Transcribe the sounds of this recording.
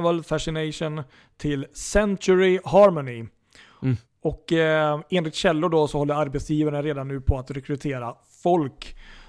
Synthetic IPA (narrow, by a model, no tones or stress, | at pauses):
vəlfæʂɪnɛɪʂʊn | t̪ʰɪlsɛntʊɾɪɦɑːɾmɔnɪ | ɔk | eːnlɪkt̪ɕɛlːʊɖɔsɔhɔlːəɾaɾbɛt̪sjiːvaɳəɾeːd̪anːʉ̟ːpʰɔat̪ɾɛkɾɵt̪ʰeːɾa | fɔlk